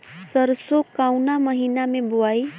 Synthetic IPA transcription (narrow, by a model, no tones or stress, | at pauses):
səɾsokaʊnaməɦinameboai